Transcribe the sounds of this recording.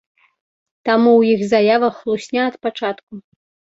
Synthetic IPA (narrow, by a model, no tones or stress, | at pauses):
t̪amuwjixzajavɐxːlˠusʲnʲaɐt̪pat͡ʂat̪ku